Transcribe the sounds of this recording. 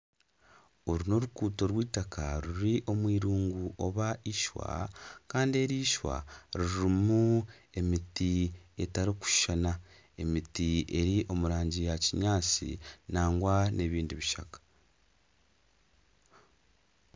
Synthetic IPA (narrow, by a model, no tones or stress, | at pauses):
oɾuno̞ɾukuːto̞ɾwiːtakaɾuɾiʔo̞mwiːɾuːŋɡuʔo̞βaʔiʃwa̰kaːndie̞ɾiːʃwa̰ɾiɾimue̞mitie̞taɾiku̥ʃʃana | e̞mitie̞ɾiʔo̞muɾaːɲɟijaciɲaːt͡sḭnaːŋɡwane̞βiːndiβiʃakḁ